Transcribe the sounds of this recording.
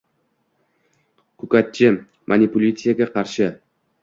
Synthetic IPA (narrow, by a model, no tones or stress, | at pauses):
kʰʊkat̪̚t͡ʃːɪ | mʔanʲipulʲit̪sijaɡʲaqʰɑɾʃɪ